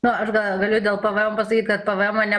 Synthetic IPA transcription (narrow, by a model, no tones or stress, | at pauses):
nʊɐʃɡɐɡɐlʲʊd̪ʲeːlˠpɐʋɐɛmːpɐsɐkʲit̪kɐt̪pɐʋɐɛmoːnʲɛ